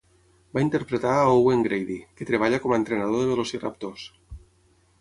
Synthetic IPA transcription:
baint̪eɾpɾet̪aːoweŋɡɾejðiket̪ɾeβ̞aʎakɔmaent̪ɾenað̞oðeβelosira̰p̚t̪os

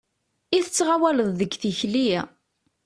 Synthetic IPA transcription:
iθət͡sːʁawæləðˤðəɡθiçli

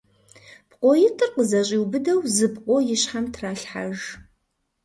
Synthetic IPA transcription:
pqʷʼojɪtʰʼɨrqəzɐɕʼiwbɨdɐwzɨbqʷʼojɪɕħamtʰraːɬħa̰ʒ

